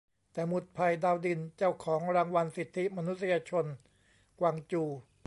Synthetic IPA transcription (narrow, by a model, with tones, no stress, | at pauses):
t̪ɛː˨˩mu˨˩t̪̚pʰa˧jdaː˧wdi˧nt͡ɕa˥˩wkʰɔː˩˦ŋɾaː˧ŋwa˧nsi˨˩t̪ʰːi˦˥ma˧nu˦˥t̪̚si˧jaː˧t͡ɕʰo˧n | kwaː˧ŋt͡ɕuː˧